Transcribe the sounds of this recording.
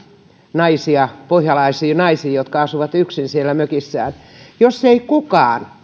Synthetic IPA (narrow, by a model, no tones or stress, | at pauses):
nɑisiɑpohjɑlɑisiːnɑisiːjot̪kɑɑsuʋɑt̪yksinsielːæmøkisːæːnjosːeikukɑːn